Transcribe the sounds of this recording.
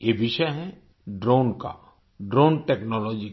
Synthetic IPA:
jeʋɪʃɛɦɛ̃ | ɖɾoːnka̰ | ɖɾoːnʈɛːknɔːlɔːd͡ʒi

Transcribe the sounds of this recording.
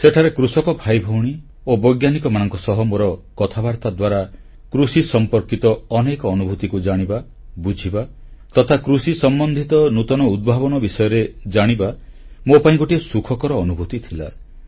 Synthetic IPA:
seʈʰaɾekɾusɔkɔbʱajbʱɔwɽ̃i | obɔjɡjanikɔmanɔŋkɔsɔɦɔmoɾɔkɔt̪ʰabaɾt̪ad̪waɾa | kɾusisɔmpɔɾkit̪ɔːnekɔːnubʱut̪ikud͡ʒaɽ̃iba | bud͡ʒʱiba | t̪ɔt̪ʰakɾusisɔmbɔnd̪ʱit̪ɔnut̪ɔnɔud̪̚bʱaβɔnɔbisɔjɔɾed͡ʒaɽ̃iba | mopaĩkoʈiesukʰɔkɔɾɔːnubʱut̪it̪ʰila̰

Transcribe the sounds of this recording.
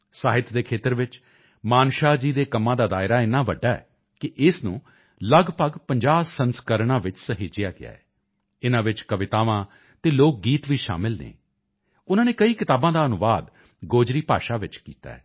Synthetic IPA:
saːɦɪt̪ʰd̪eːkʰeːt̪əɾʋɪt͡ʃ | maːnʃaːd͡ʒiːd̪eːkəmːãːd̪aːd̪aːɪɾaːɪnãːʋəɖːaːɛ̰ː | kɪʔɪsnṵ̃ː | ləɡpəɡpəɲd͡ʒaːsənskəɾɳãːʋɪt͡ʃsəɦeːd͡ʒɪjaːɡɪ̰ja̰ːɛː | ɪnãːʋɪt͡ʃkəʋɪt̪aːʋãː | t̪eːloːk̚ɡiːt̪ʋiːʃa̰ːmɪlnḛː | ʊnãːneːkəiːkɪt̪aːbãːd̪aːənʊʋaːd̪ | ɡoːd͡ʒɾiːpa̰ːʃaːʋɪt͡ʃkiːt̪a̰ːɛː

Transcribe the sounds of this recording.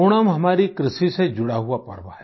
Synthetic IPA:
oɽ̃amɦɐmaːɾikɾɪsised͡ʒʊɽaɦuapɐ̰ɽba̰ɦɛ

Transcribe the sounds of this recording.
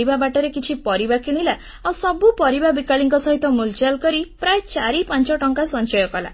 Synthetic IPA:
ibabaʈɔɾekit͡ʃʰipɔɾibakiɽ̃ila | awsɔbupɔɾibabikaɭiŋkɔsɔɦit̪ɔmult͡ʃalkɔɾipɾajt͡ʃaɾipãnt͡ʃɔʈɔŋkasɔnt͡ʃɔjɔkɔla̰

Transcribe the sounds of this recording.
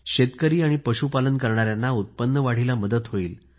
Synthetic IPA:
ɕet̪kəɾiːaɽ̃ipəɕupalənkəɾɳaɾjanːaut̪̚pənːəʋaɽ̤ilaməd̪ət̪ɦoiːl

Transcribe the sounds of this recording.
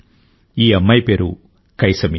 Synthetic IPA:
iːɐmːɐjpeːɾu | kɐjsɐmi

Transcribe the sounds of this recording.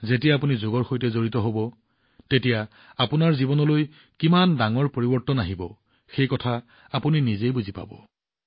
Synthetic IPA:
zetijaapunizoɡɔɹxojtɛzoɹitɔɦobɔ | tetija | apunaɹzibɔnɔloj | kimandaŋɔɹpoɹibɔɹtɔnaɦibɔ | xejkɔtʰa | apuninizejbuzipa̰bɔ̰

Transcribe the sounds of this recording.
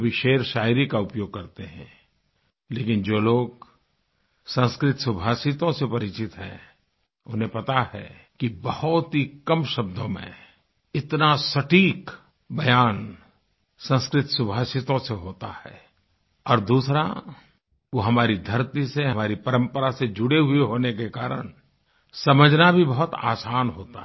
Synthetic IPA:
bɪʃeːɾʃaːɪɾikaʊpjoːɡ̚kɐɾt̪eɦɛ̰̃ | leːkɪnd͡ʒoːloːɡ | sɐ̃nskɾɪt̪sʊbʱaːsɪt̪õsepɐɾɪt͡ʃɪt̪ɦɛ̰̃ | ʊnẽpɐt̪ahɛ̰ | kibɐhʊt̪ɦikɐmʃɐb̚d̪ʱõmḛ̃ | ɪt̪nasɐʈiːk | bɐjaːn | sə̃nskɾɪt̪sʊbʱaːsɪt̪õseɦoːt̪a̰hɛ̰ː | ɔːɾd̪uːsɾa̰ | ʋoɦɐmaːɾid̪ʱɐɾt̪iseɦɐmaːɾipɐɾə̃mpəɾased͡ʒʊɽeɦʊeɦoːnekekaːɾə̰ñ | sɐməd͡ʒʱnabʱibɐɦʊt̪a̰ːsaːnɦoːt̪a̰

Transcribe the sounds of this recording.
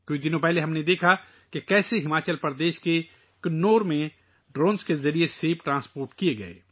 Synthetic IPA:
kʊid̪ɪnõpɛɦleɦɐmned̪eːkʰa | kekɛːseɦɪmaːt͡ʃəlpɾəd̪eːʃke | knoːɾmẽ | ɖɾõːnskezɐɾieseːpʈɾãːspoːɾʈkijeɡɐ̰ḛː

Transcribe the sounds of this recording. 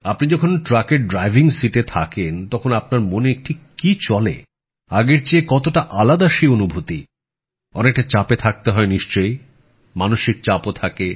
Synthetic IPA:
apnid͡ʑɔkʰonʈɾakeɾɖɾajbʱiŋsiʈet̪ʰakent̪ɔkʰonap̚naɾmoneek̚ʈʰikːit͡ɕɔle | aɡeɾt͡ɕeekɔt̪oʈaʔalad̪aʃionubʱot̪i | ɔnek̚ʈat͡ɕapet̪ʰak̚t̪eɦɔeniʃt͡ɕoj | manoʃik̚t͡ɕapot̪ʰake

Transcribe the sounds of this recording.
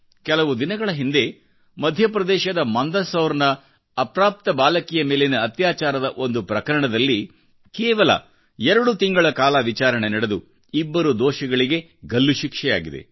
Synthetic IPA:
kɛlɐʋud̪inɐɡɐɭɐɦind̪e̞ | mɐd̪ʱjɐpɾɐd̪ɛːʃɐd̪ɐmɐnd̪ɐsɐwɾnɐː | pɾaːp̚t̪ɐbaːlɐkijɐmeːlenuɐt̪jaːt͡ʃaːɾɐd̪ɐʔo̞nd̪upɾɐkɐɾɐɳɐd̪ɐlːi | kɛːʋɐlɐ̰ | ɛɾɐɽut̪iŋɡɐɭɐkaːlɐʋit͡ʃaːɾɐɳenɐɽed̪u | ibːɐɾud̪oːʃɐɡɐɭiɡe̞ | ɡɐlːuʃikʂɛja̰ːɡid̪e̞̰

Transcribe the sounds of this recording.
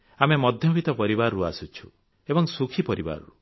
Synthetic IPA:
amemɔd̪ʱjɔbʱit̪ɔpɔɾibaɾɔɾuasut͡ʃʰu̥ | ebɔŋsukʰipɔɾiba̰ɾɔ̰ɾu

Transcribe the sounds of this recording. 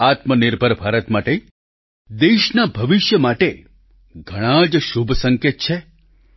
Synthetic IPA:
at̪mənɪɾbʱəɾbʱaɾət̪maʈe | d̪eʃnabʱəʋɪʃjəmaʈe | ɡʱəɽ̃ãd͡ʒʃubʱsəŋket̪̚t͡ʃʰe

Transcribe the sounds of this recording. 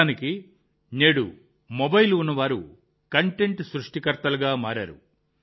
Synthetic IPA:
niki | neːɽṵ | mɔbɐjlunːɐʋaːɾṵ | kɐɳʈe̞ɳʈsɾuʂʈikɐɾt̪ɐluɡaːmaːɾa̰ːɾṵ

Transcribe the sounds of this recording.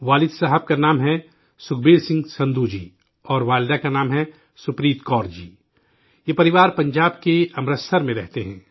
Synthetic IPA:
ʋaːlɪd̪saːɦəb̚kanaːmɦɛ | sʊkʰbeːlsɪ̃ŋɡsɐ̃nd̪ud͡ʒḭː | ɔːɾʋaːld̪akanaːmɦɛ | sʊpɾiːt̪kɔːɾd͡ʒḭː | jeːpɐɾɪʋaːɾpɐ̃ɲd͡ʒaːbkeɐmɾəsəɾmẽɾɛɦt̪eɦɛ̃ː

